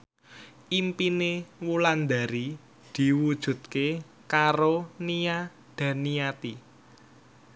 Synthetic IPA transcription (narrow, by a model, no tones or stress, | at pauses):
ʔimpinewuland̪a̤ɾi | d̪̥i̤wud̥ʒ̥ṳt̪̚ke | kaɾonia | d̪̥ä̤nijat̪i